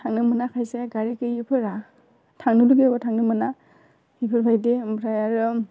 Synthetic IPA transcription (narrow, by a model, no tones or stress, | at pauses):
tʰaŋnɯmɯnakʰajseɡaɾikɯjipʰɯɾa | tʰaŋnɯluɡebɔtʰaŋnɯmɯna | ipʰɯɾbʰʱajdemɾajaɾɯ